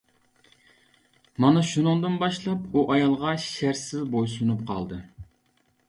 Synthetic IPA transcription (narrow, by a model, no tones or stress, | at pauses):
mɑnɑʃunɨŋd̪ɨnbɑʃlˠɑpuʔɑjɑlˠʁɑʃæɾsɪzbojsunup̚qʰɑ̰lˠd̪ɨ